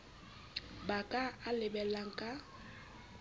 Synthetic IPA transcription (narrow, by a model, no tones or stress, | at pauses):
bakʼaalɪbɛlaŋ̩kʼa